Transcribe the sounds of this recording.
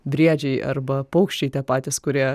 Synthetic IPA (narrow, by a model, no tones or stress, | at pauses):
bʲɾʲiɛd͡ʒʲɛɪɐ̰ɾbɐpɐʊkʃʲt͡ʃʲɛɪt̪ʲiɛpɑːt̪ʲɪskʊɾʲiɛ